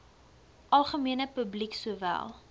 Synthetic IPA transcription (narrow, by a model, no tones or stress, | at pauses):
ʔɐlˠχəmiənəpəbliksuəvæ̰lˠ